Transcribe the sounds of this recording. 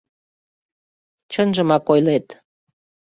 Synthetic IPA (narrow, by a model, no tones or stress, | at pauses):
t͡ɕənʒəmɑkojlet̪